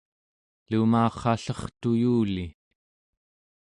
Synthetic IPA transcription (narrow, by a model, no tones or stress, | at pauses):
lumɑːχɑɬʌχt̪ujuːli